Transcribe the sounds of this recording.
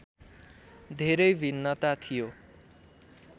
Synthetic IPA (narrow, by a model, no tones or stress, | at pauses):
d̪ʱeɾʌjbʱinːʌt̪at̪ʰijo